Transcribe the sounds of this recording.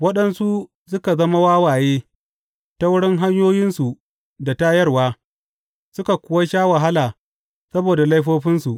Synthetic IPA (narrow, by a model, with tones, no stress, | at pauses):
wɐ˦ɗɐ˦nsu˦ | sʊ˦ka˨zɐ˦ma˦waː˦waː˨jeː˦ | ta˦wʊ˦ɽɪ˦ŋɦa˦ɲjoː˦jɪ˦nsu˨ | da˨ta˦jɐ˦rwaː˦ | sʊ˦ka˨kʷʊ˦wa˦ʃaː˦wa˨ɦa˦laː˨ | sɐ˦boː˨da˨la˦jɸoː˦ɸɪ˦nsu˨ʔ